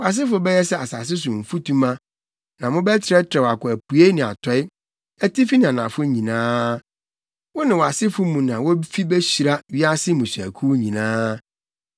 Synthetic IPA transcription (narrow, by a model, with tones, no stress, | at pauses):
wɔ˨a˨s̬ɪ˦fʊ˨˦bɛ˦jɛ˦sɛ˨a˨sa˨s̬ɪ˦s̬ʊ˨m̩˨fu˦tʰũ˦mã˦ | nã˨mʊ̃˦bɛ˦tʰɪ˨ɾɛ˦tʰɪ˨ɾɛ˨wa˨kʊ˨æ˨pu˨e˦nɪ̃˨a̰˨tʰɔ˦ɪ˦ | æ˦ti˦fi˦nɪ̃˨ã˨nã˨fʊ˦ɲĩ˨nãː˦ | wɔ˦nɪ̃˨wɔ˨a˨sɪ˦fʊ˦mũ˨nã˨wɔ˦fi˦bɛ˦ɕi˨ɾa˦ɥi˦a˦sɪ˦mũ˨sæ̰˨kʰu˦ɲĩ˨nãː˦